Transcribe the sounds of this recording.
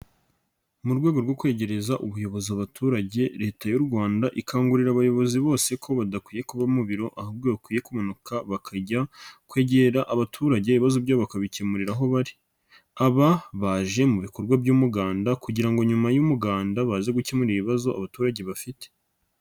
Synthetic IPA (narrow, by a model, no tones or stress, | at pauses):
muɾɡwe̞ːɡo̞ɾɡo̞kwe̞ːɟe̞ɾe̞zaʔuβujo̞βoziaβatʰuɾaɟe̞ɾe̞ːtajuɾɡwaːndaʔikaːŋɡuɾiɾaβajo̞βo̞ziβo̞ːse̞kʰo̞βadakwiːjekuβamuβiɾo̞ʔahab̚ɡoβakwiːje̞kumanukʰaβakʰaɟakwe̞ːɟe̞ɾaʔaβatʰuːɾaɟe̞iβazo̞bɟaβakaβicemuɾiɾaɦo̞βaɾi̥ | aβaβaʒe̞muβiko̞ɾɡwabɟuːmuɡaːndakuɟiɾaŋɡo̞ɲumajumuɡaːndaβaːze̞ɡucemuɾiiβazo̞ʔa̰βatuːɾaɟe̞βafite̥